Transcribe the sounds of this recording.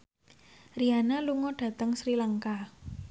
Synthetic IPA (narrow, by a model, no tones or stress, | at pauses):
rianaluŋɔɖ̥a̤t̪əŋsɾilaŋka